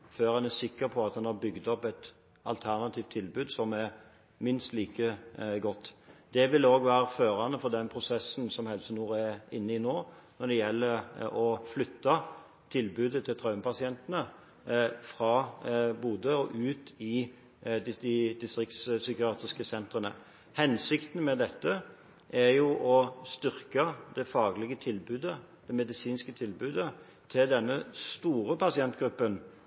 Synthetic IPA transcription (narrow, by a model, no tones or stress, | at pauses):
føːɾhɑnæsɪkːəɾpʰɔɑt̪hɑnhɑɾbʏɡd̪ɔpɛt̪ | ɑ̰lt̪ʰæʁnɑt̪ʰiːft̪ʰːɪlbʉːd̪sɔmæɾ | mɪnst̪liːkəɡɔt̪ːd̪̥ɛʋɪloːɡʋæːɾəføːɾɑnːəfɔʁd̪ɛnpʰɾʊsɛsn̩sɔmhɛlsnuːæɪnːəɪnoː | nɔd̪ɛjɛlːəɾɔflʏt̪ːɑ | t̪ʰɪlbʉːd̪ət̪ʰɪlt̪ʰɾɑʉməpʰɑsɪɛnt̪ənə | fʁɑbuːd̪əɔʔʉːt̪ɪ | d̪ɪd̪ɪd̪ɪst̪ʁɪk̚t̪ssʏkɪɑːt̪ʁɪskəsɛnt̪ʁənə̰ | hɛnsɪkt̪n̩mɛd̪ɛt̪ːə | ʔæɾjʊʔɔst̪ʏʁkɑd̪ɛfɑːɡlɪɡət̪ʰɪlbʉːd̪ə | d̪̥ɛmɛd̪ɪsiːnskət̪ʰɪlbʉːd̪ə | t̪ʰɪld̪ɛnːəst̪uːʁəpʰɑsɪɛnt̪ɡɾʉpːən